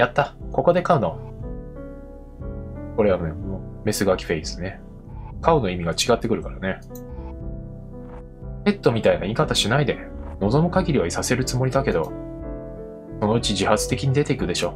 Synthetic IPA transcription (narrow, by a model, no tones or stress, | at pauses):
jat̪ːako̞ko̞d̪e̞kaɯ̟no̞ | ko̞ɾe̞anneome̞sɨɡakʲi̥ɸeisɨ̥ne̞ | kaɯ̟no̞imʲiɡat͡ɕiɡat̪ːe̞kɯ̟ɾɯ̟kaɾane̞ | ke̞t̪ːo̞mʲit̪ainaikat̪aɕinaid̪e̞ | no̞zo̞mɯ̟kaɡʲiɾʲiβaisase̞ɾɯ̟t͡sɨmo̞ɾʲid̪ake̞d̪o̞̰ | so̞no̞ɯ̟t͡ɕiʑihat͡sɨ̥t̪e̞kʲiɲ̟id̪e̞t̪e̞ikɯ̟d̪e̞ɕo̞ː